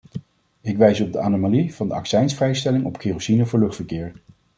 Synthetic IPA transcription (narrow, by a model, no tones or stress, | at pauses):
ɪkʋɛjsəɔb̚dəʔa̰ːnomaliv̥ɑndəʔɑ̰ksɛjnsfrɛjstɛlɪŋɔpχeːrosinəvʊːɹlɵχtfəɹkɪːɹ